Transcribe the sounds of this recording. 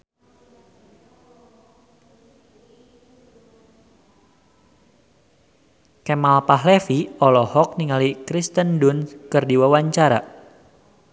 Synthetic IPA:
kɛmalpaɦlefiɔlɔhɔk̚niŋalikɾist̪əndʊnkɨrdiwawaɲt͡ʃaɾa̰

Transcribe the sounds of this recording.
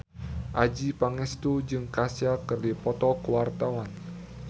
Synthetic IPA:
ʔad͡ʒipaŋɛst̪ud͡ʒɨŋkasjakərdipɔt̪ɔkəwart̪awan

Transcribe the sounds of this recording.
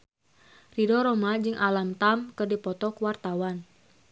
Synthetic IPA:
ridɔɾɔmad͡ʒɨŋʔalamt̪amkɨrdipɔt̪ɔkwart̪awan

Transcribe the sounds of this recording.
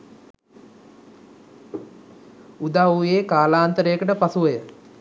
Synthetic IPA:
ud̪aweːkaːlaːnt̪əɾejəkəʈəpasuʋəjə

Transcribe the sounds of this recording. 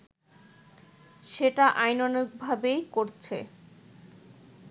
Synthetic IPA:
ʃeʈaʔajnonok̚bʱabejkoɾt͡ɕʰe

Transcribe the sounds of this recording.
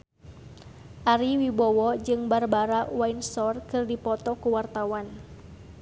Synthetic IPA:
ʔaɾiwibɔwɔd͡ʒɨŋbarbaɾawainsɔrkɨrdipɔt̪ɔkuwart̪awan

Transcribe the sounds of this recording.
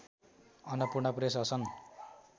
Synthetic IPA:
ʌnʌpurɳʌpres̬ʌsʌn

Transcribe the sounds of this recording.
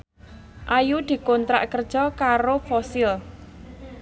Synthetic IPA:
ʔajud̪̥i̤kont̪ɾa̰ʔkərd̥ʒ̥ɔkaɾofɔsɪl

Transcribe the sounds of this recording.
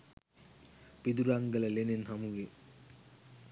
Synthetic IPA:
pid̪uɾaŋɡəlɐlenenɦamuʋe

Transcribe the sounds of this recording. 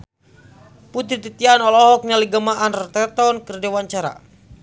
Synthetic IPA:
put̪ɾit̪it̪ianɔlɔɦɔk̚ɲaliɡamaʔanrt̪ɛt̪ɔnkərdewaɲt͡ʃaɾa̰

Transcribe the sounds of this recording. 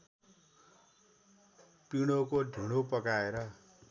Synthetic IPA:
piɽ̃okoɖʱiɽ̃opʌkaeɾʌ

